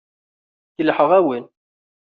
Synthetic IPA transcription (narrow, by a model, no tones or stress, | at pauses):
kəlħəʁæwin